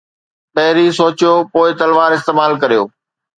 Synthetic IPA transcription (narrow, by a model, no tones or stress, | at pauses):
pɐɦɪɾisoːt͡ɕjoːpoːɪt̪ɐlʋaːɾɪst̪eːmaːlkɐɾijo̰ː